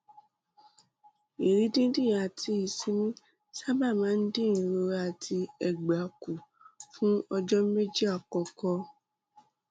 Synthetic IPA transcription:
i˨ɾi˨˦dĩ˦di˦˨a˨ti˧i˨sĩ˦mĩ˦ | sa˦ba˦˨mãː˨˦n̩˦de˦ĩ˨ɾo˧ɾa˧˨tʰi˧ɛ˨ɡ͡ba˨˦ku˨ | fũ˦ɔ˧d͡ʒɔ˦me˦d͡ʒi˦a˦˨kɔ˧kɔ˧

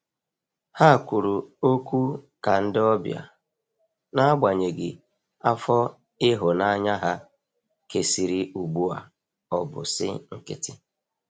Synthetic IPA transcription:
ha˦˨kʷu˨ɾu˨o˦kʷu˦ | ka˨n̩˦dɪ˦ɔ˦bja̰˨ | na˦ɡ͡ba˨ɲe˨ɡɪ˨ | a˦fɔ˦ | ɪ˦ɦʊ˨na˦ɲa˦ɦa˦ | ke˨si˨ɾi˨u˨ɡ͡bu˦a̰˨ | ɔ˨bʊ̰˨sɪ̰˦ŋ̩˦kɪ̰˦tɪ˦

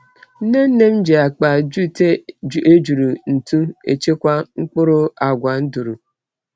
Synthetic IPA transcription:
n̩˦ne˦n̩˦ne˦m̩˦d͡ʒe˨a˨k͡pa˨d͡ʒu˦te˦˨e˦d͡ʒu˨ɾu˨n̩˨tu˦ḛ˨t͡ʃe˦kʷa˦ŋ͡m̩˦k͡pʊ˦ɾʊ˦a˨ɡʷa˨n̩˦du˨ɾu˨

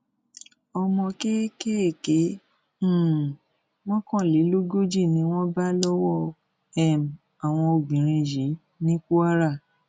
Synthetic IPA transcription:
ɔ˧mɔ̃˧ke˦ke˦e˦˨kẽ˨˦˨ | w̃ɔ̃˦kɔ̃˦˨li˨˦lo˦ɡo˦d͡ʒi˦˨nĩ˧˦w̃ɔ̃˦ba˦lɔ˦wɔ˦˨ | ɛ˦˨m˨ | a˨w̃ɔ̃˧o˨ɡ͡bĩ˨ɾ̃ĩ˧ji˨˦ | nĩ˦ku˦a˦ɾa˦˨

